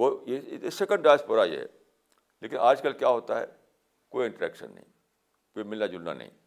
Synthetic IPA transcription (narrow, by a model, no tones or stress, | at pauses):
ʋojesekə̃ɳɖʈaːspɐɾaḭɦɛ̰ | leːkɪnʔaːd͡ʒkəlkjaɦoːt̪aɦɛ̰ | koːiɪ̃ɳʈəɾɛ̰ːkʃə̰̃nːɐ̰ɦḭ̃ | koːimɪlnad͡ʒʊlna̰nɐ̰ɦḭ̃